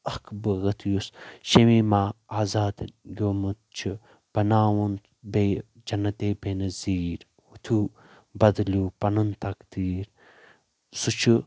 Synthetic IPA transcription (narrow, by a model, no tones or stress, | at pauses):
ɐkbɨɣɐt̪ʰjusʃɐmimaːaːzaːd̪ɡʲoːmɨt̪̚t͡ʃʰi | b̥ɐnaːwun | beː | d͡ʒɐnːɐt̪eːbeːnɐziːɾ | hut̪ʰu | bɐd̪luːpɐnɐnt̪ɐkd̪̥iːɾ | sut͡ʃʰɨ